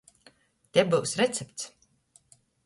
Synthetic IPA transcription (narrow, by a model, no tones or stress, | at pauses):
t̪ʲɛbɨwsɾɛt̪sɛpt̪s